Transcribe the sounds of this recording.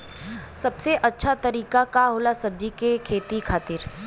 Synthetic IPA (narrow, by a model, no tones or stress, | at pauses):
sɐbseʔɐtːʃʰat̪ɐɾiːkakaɦʊlasɐb̚d͡ʒikekʰeːt̪ikʰaːt̪ɪɾ